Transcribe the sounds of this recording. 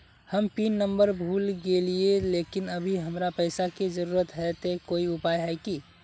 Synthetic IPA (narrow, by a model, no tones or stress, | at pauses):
həmpiːnːə̃mbəɾbʱuːlɡelieleːkɪnəbʱiɦəmɾapəɪsakid͡ʒəɾuːɾət̪ɦɛt̪ekoːiʊpaːjɦɛki